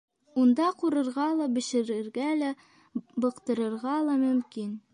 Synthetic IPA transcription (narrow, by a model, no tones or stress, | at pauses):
und̪ɑquɾɤ̆ɾʁɑlˠɑbɘ̆ʃɘ̆ɾɘ̆ɾɡælæ | bɤ̆qt̪ɤ̆ɾɤ̆ɾʁɑlˠɑmɵ̆mkin